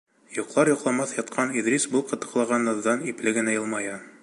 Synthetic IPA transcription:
jŏqlˠɑɾjŏqlˠɑmɑθjɑt̪̚qʰɑniðɾʲisbul̚ˠqɤ̆t̪ɤ̥̆qlˠɑʁɑnːɤ̆ðːɑniplɘɡɘ̆næjɤlˠmɑjɑ

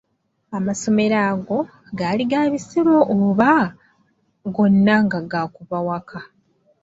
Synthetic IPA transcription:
amaso̞me̞ɾaːɡo̞ | ɡaːliɡaβisiɾoʔːβa | ɡo̞nːaŋɡaɡakuβawakʰa

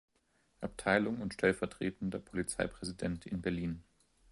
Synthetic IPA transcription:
ʔap̚tʰaɪlʊŋʊntʃtʰɛlfɛɐtʁ̥ḛːtn̩dɐpʰolit͡sa̰ɪpʁ̥ɛzidɛntʰɪnbɛɐliːn

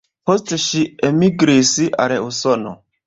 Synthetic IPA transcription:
postʃiemiɡɾisiʔa̰ɾeusɔno̰

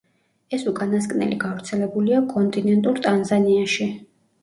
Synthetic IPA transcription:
ɛsukʼanaskʼnɛ̰lḭɡavɾt̪sʰɛlɛbuliakʼɔnt̪ʼinɛnt̪ʼuɾt̪ʼanzaniaʃi

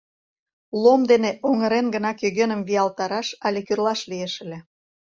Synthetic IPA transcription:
lomd̪eneʔoŋəɾenɡə̆nɑkjøɣenəmβiɑlt̪ɑɾɑʃɑlʲekyrlɑʃlieʃə̆lʲĕ

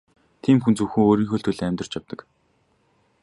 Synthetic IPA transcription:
t̪ʰiːmxunt͡suwxŭŋoːɾiːŋxɵɬt̪xɵ̆ɮæmʲt̪̆r̥t͡ɕjawt̪ə̆k

